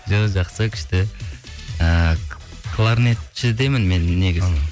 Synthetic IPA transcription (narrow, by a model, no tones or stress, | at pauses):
ʒoʒɑqsəkʲʰɪ̥ʃt̪ɪ | ə | kʰlˠaɾnet̪ʃɪzd̪ejmɪnme̞nːe̞ɡʲɪ